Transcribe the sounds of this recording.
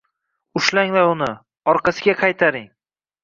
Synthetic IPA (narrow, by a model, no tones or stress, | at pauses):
ʊʃlaŋlaɾʊnɪ | ɒɾqɑsɪɡʲaqʰɑjt̪ʰaɾɪŋ